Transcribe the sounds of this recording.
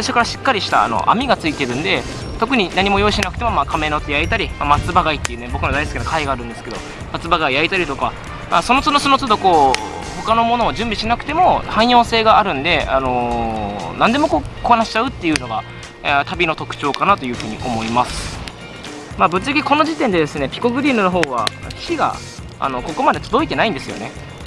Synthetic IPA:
t̪aɕikaɾaɕi̥kːaɾʲiɕi̥t̪a̰ːno̞̰ʔa̰mʲiɡat͡sɨit̪e̞ɾɯ̟̃nd̪e̞ | t̪o̞kɯ̟ɲ̟inaɲ̟imo̞jo̞iɕinakɯ̟t̪e̞mo̞maːkʰame̞not̪ːejait̪aɾʲimamat͡sɨbaɡait̪ːejɯ̟nebo̞kɯ̟nod̪aisɨ̥kʲinakʰaiɡaːɾɯ̟̃nd̪e̞sɨ̥ke̞d̪o̞̰ | mat͡sɨbaɡaiait̪aɾʲit̪o̞ka | maːso̞not͡sɨnosonot͡sɨd̪oko̞ː | ho̞kano̞mo̞no̞ːd͡ʑɨ̃mbʲiɕinakɯ̟t̪e̞mo̞hãɰ̃jo̞ːse̞ːɡaːɾɯ̟̃nd̪e̞ano̞ | nãnd̪e̞mo̞ko̞ːkoanaɕi̥t͡ɕaɯ̟t̪ːe̞jɯ̟ːno̞ɡa | t̪ʰabʲino̞t̪o̞kɯ̟̥t͡ɕo̞ːkanat̪o̞jɯ̟ːɸɯ̟ːɲ̟iʔo̞mo̞imasɨ̥ | maːbɯ̟t͡sɨaɡʲiko̞no̞ʑit̪ẽ̞nd̪e̞d̪e̞sɨne̞pʲi̥ko̞ɡɯ̟ɾʲiːnɯno̞ɦo̞ːβa̰̥ɕiɡa̰ | a̰no̞ko̞ko̞mad̪e̞t̪od̪o̞it̪e̞naĩnd̪e̞sɨjo̞̰ne̞

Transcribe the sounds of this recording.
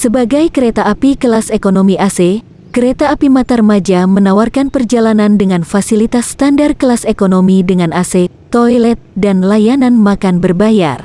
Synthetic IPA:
səbaɡajkəɾet̪aːpikəlasekonomiʔase | kəɾet̪aːpimat̪armad͡ʒamənawarkanpərd͡ʒalanandəŋanfasilit̪ast̪andarkəlasekonomidəŋanase | t̪ojlɛt̪̚danlajananmakanbərbaja̰r

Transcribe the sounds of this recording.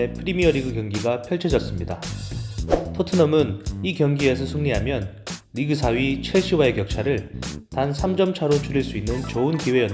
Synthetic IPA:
epʰɯɾimiʌɾiɡɯkjʌŋɡiɡapʰjʌɭt͡ɕʰed͡ʑʌs͈ɯmɲida | tʰotʰɯnʌmɯnikjʌŋɡie̞s̬ʰʌsʰuŋɲiɦamjʌnɾiɡɯsʰaɥit͡ɕʰeɭɕ͈ʰiwae̞kjʌk̚t͡ɕʰaɾɯɭtansʰamd͡ʑʌmt͡ɕʰaɾot͡ɕʰuɾiɭs͈uinːɯnt͡ɕʌɯnkiwe̞jʌ

